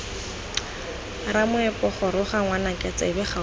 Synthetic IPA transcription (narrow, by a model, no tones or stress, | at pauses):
ramʊɛpɔχɔɾʊχaŋwanakʼɛt͡sa̰bɪχa